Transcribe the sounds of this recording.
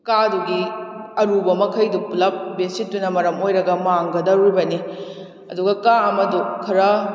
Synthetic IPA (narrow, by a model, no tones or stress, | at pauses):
kaduɡiɐɾubɐmɐkʰɐjduplɐp̚bensitːunɐmɐɾɐmojɾɐɡɐmaŋɡɐdɐɾibɐni | ɐ̰duɡɐkaɐmɐdukʰɐɾɐ